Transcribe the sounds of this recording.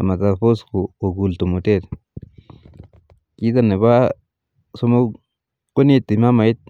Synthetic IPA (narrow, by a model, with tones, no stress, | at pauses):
a˨ma˨ka˨po˦skuː˨ɡu˨lt̪u˨mu˨t̪e˦ɾ | ki˦d̪a˦ne˨βa˦ | so˦mo˦ | ku˦ni˦˧t̪i˨ma˦ma˨i˦t̪̚